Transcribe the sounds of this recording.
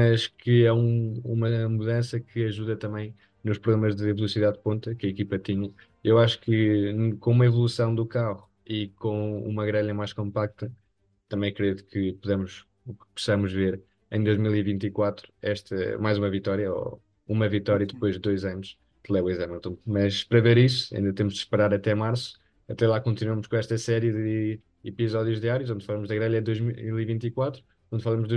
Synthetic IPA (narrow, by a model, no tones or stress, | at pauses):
mɐʃkɨɛũumɐmuðɐ̃sɐkʰɨɐʒuðɐt̪ɐ̃mɐ̃j̃ | nuʃpɾuɣlˠemɐʒðɨvlˠusiðaðpõnt̪ɐkɐikipɐt̪iɲɐ | ewaʃu̥kɨkõumɐivulˠusɐ̃w̃d̪ukaʁu | ikõṵmɐɣɾɛʎɐmajʃkõmpak̚t̪ɐ | t̪ɐ̃mɐ̃j̃kɾeðkɨpuðemuʃ | ukpu̥sɐmuʒveɾ | ẽj̃d̪ojʒmilˠivĩnt̪ikwat̪ɾuɛʃt̪ɐ̰majzumɐvit̪ɔɾjɐɔ̰ | umɐvit̪ɔɾjɐd̪ɨpojʒd̪ːojzɐnuʃ | d̪̥lˠɛwizɛmɛlˠt̪ũmɐʃpɐɾɐveɾisu̥ɐ̰ʔĩnd̪ɐt̪emuʒd̪ʃpɨɾaɾɐt̪ɛmaɾsu̥ | ɐt̪ɛlˠakõnt̪inuwɐmʊʃkõɛʃt̪ɐsɛɾjɨðɨ | ipizɔðjuʒðiaɾjuzõnd̪fɐlˠɐmuʒðɐɣɾɛʎɐd̪ojʒmilˠivĩnt̪ikwat̪ɾu | õnd̪fɐlˠɐmuʒðu